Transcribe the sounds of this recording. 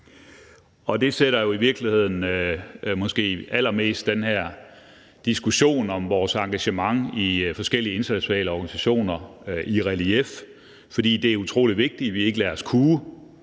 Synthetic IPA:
ɒ̽d̥e̝seɾ̥ɐjo̝iʋiɐɡ̥lihe̝ð̞̰ˠn̩ømɒ̽sɡ̥e̝̰ːæl̰ɐme̝̰ːsd̥ːenɦæɐ̰ | d̥isɡ̥uɕo̝̰ːnɒ̽mʋɒːsɑ̈ŋɡ̥æɕəmɑ̈ŋifɒ̽sɡ̥el̰iəe̝nd̥ɐnæɕʰo̝nɛ̰ːləɒːɡ̥ænisæɕo̝̰ːnɐʔiʁælief | fɒ̽d̥ḭːd̥e̝æɐut͡sʰʁo̝̰ːliʋe̝ɡ̥̚d̥iʋie̝ɡ̥əlæːɐskʰuː

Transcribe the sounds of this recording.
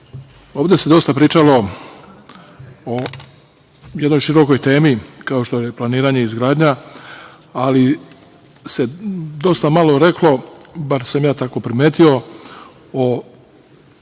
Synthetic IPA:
o̞ːʋd̪ese̞d̪o̞st̪apɾiːt͡ʃalo̞ | o | je̞d̪no̞jʃiɾo̞ko̞jt̪e̞ːmikaoʃt̪o̞jeplˠaniːɾaɲe̞izɡɾaːd̪ɲa | ali | se̞d̪o̞st̪amalˠo̞ɾe̞klo̞baɾsamjaːt̪ako̞pɾimeːt̪io̞ | o

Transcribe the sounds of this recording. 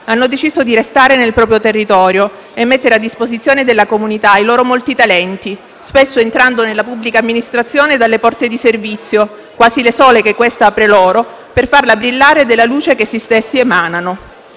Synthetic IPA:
anːod̪et͡ʃiːzod̪iɾest̪aːɾenelpɾɔːpɾjot̪erːit̪ɔːɾjo | emːet̪ːeɾead̪ːispozit̪sːjoːned̪elːakomunit̪ailoːɾomolt̪it̪alɛnt̪i | spesːoent̪ɾand̪onelːapubːlikaːmːinist̪ɾat̪sːjoːned̪alːepɔrt̪ed̪iservit̪sːjo | kwaːzilesɔːlekekːwest̪aapɾeloːɾo | perfarlabɾilːaːɾed̪elːaluːt͡ʃekesist̪esːiemaːnano

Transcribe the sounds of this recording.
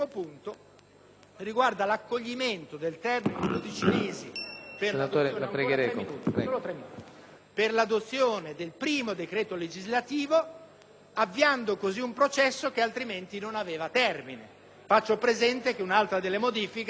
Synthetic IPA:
mopunt̪o | riɡward̪alakːoʎːiment̪od̪elt̪ɛrmined̪od̪it͡ʃineːzipeat̪oepɾɡɾɛnuːt̪oːlot̪ɾɛminːut̪i | perlad̪ot̪sːjoːned̪elpɾiːmod̪ekɾeːt̪oled͡ʒizlat̪iːvo | avːiand̪okoziumpɾot͡ʃɛsːok̟ealt̪ɾiment̪inonaveːvat̪ɛrmine | fat͡ʃːopɾezɛnt̪ek̟eunalt̪ɾad̪elːemod̪iːfik

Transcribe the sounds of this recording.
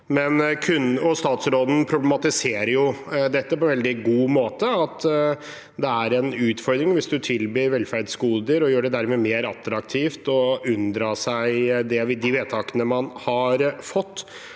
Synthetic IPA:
mɛnkʰʉnɔst̪ɑːt̪sɾoːd̪n̩pʰɾʊblɛmɑt̪ɪseːɾəɾjʊd̪ɛt̪ːəpɔɛnɛld̪ɪɡuːmoːt̪əɑt̪ | d̪ɛæɾɛnʉːt̪fɔɾd̪ɾɪŋʋɪsd̪ʉt̪ʰɪlbiːɾʋɛlːfæɾɖskuːd̪əɾɔjøːɖɛd̪æɾmeːmeːɾɑt̪ɾɑkt̪ʰiːft̪ɔʉnd̪ɾɑːsæɪd̪ɛʋɪd̪ɪʋeːt̪ʰɑːkənəmɑnhɑɾfɔt̪ː

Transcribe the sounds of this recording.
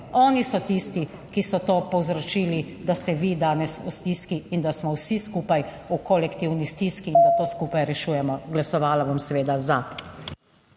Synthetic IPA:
ɔːnisɔt̪ist̪i | kisɔt̪oːpɔwzɾɔt͡ʃiːli | d̪ast̪ɛʋid̪aːnɛsust̪iskiːnd̪asmɔwsiskuːpaj | ukɔlɛkt̪iwnist̪iskiːnd̪at̪oːskuːpajɾɛʃuːjɛmɔɡlasɔʋaːlaʋamsɛʋeːd̪aza

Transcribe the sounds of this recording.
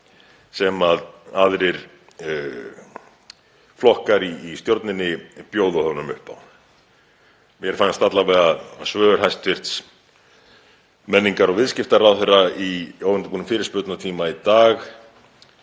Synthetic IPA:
sɛmaðaðɾɪɾ | flɔhkaɾiːst̪jowɾt̪nɪnːɪpjoːwðʏhœɣnʏmʏhpa̰wn | mjɛɾ̥fanst̪at̪lavɛːɣasvœːʏɾ̥ɦajst̪vɪr̥t̪s | mɛnːiŋkaɾɔɣvɪðscɪft̪aɾawθerːaioːwvɪnt̪ɪpuːnʏmfɪːɾɪɾ̥spʏɾt̪nat̪ʰiːmait̪aːx

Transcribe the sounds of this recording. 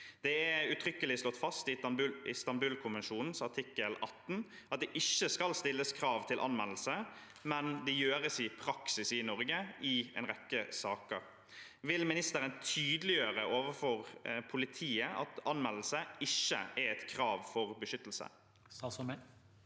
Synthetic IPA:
d̪̥ɛæʉt̪ʰʁʏkːəlɪst̪ɔt̪ːfɑst̪ɪʉɪst̪ɑmbʉːlkʰʊnʋɛnʃuːnn̩sɑt̪ʰɪkːəlɑt̪ːn̩ | ɑt̪̚d̪ɛʔɪʃːəskɑlst̪ɪlːəskʰɾɑːʋt̪ʰɪlʔɑ̰nmɛll̩sə | mɛnd̪ɛjøːʁəsɪpʰɾɑksɪsɪnɔʁɡəɪɛ̰nʁɛkːəsɑːkə̰ʁ | ʋɪlmɪnɪst̪əɾənt̪ʰyːd̪əlɪjøːʁəʔoːʋəfɔʁpʰʊlɪt̪ʰiːəʔɑ̰t̪ɑnmɛll̩səɪʃːə̰ɛɾɛt̪kʰɾɑːʋfɔʁbəʃʏt̪lsə̰

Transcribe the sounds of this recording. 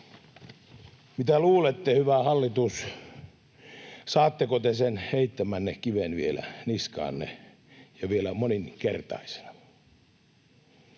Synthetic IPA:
mit̪æluːlet̪ːehyʋæhɑlːit̪us | sɑːt̪ːekot̪esenheit̪ːæmænːekkiʋenʋielæ̰niskɑ̰ːnːḛ | jɑʋielæmoninkert̪ɑ̰ise̥n̥ɑ̥

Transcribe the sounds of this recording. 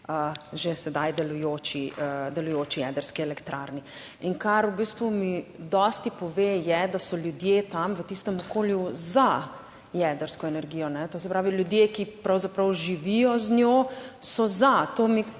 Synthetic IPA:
əʒesɛd̪ajd̪ɛlujoːt͡ʃiəd̪ɛlujoːt͡ʃijɛd̪əɾskiɛlɛkt̪ɾʔa̰ːɾniinkaɾubiːst̪ʋumid̪ɔst̪ipɔʋejɛd̪asɔljud̪jet̪amʋət̪ist̪ɛmɔkoːljuza | jɛd̪əɾskɔɛnɛɾɡiːjɔnɛt̪oːsɛpɾaːʋiljud̪jekipɾawzapɾɐwʒiʋijɔznjosɔzat̪omi

